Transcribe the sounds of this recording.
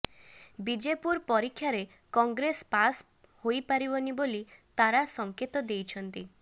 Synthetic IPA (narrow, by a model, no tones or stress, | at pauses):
bid͡ʒepuɾpɔɾikʰːjaɾe | kɔŋɡɾespas | hojpaɾibɔnibolit̪aɾasɔŋket̪ɔd̪ejt͡ʃʰɔnt̪i